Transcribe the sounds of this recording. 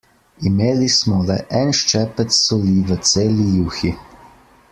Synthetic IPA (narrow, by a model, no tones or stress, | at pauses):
imeːlismɔlɛʔɛnʃt͡ʃɛpɛt̪sɔliʋət̪seːlijuːxi